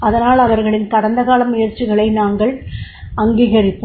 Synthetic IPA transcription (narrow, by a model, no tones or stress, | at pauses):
ɐðɐnaːlɐʋɐɾɣɐɭɪnkɐɽɐnd̪ɐɣaːlɐmːɪjɐɾt͡ʃːɪɣɐɭɐɪnaːŋɡɐɭʔɐŋɡiːɣɐrɪpːɯ